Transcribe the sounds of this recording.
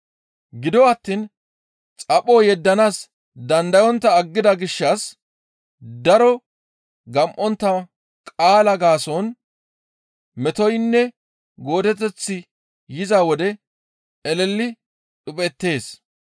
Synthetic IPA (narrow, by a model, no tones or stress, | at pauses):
ɡɪd̪ɔɐt̪ːiːn | t͡sʼɐpʼoːjɛd̪ːɐnaːs | d̪ɐnd̪ɐjɔnt̪ːɐːɡːɪd̪ɐɡɪʃːɐs | d̪ɐɾɔ | ɡɐmʔɔnt̪ːɐ | kʼaːlɐɡaːsɔn | mɛt̪ɔjnːɛ | ɡo̞ːd̪ɛt̪ːɛt͡sːɪ | jɪzawɔd̪ɛ | ɛlɛlːɪ | ɗʊpʼɛt̪ːe̞ːs